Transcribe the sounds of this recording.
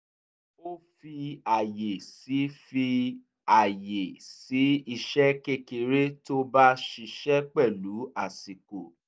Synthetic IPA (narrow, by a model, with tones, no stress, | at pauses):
o˦fi˧a˨je˨si˨˦fi˧ | a˨je˨si˨˦i˧ʃɛ˦ke˧ke˧ɾe˦to˦ba˦ʃi˧ʃɛ˦k͡pɛ˦˨lu˨˦a˦˨si˨ko˨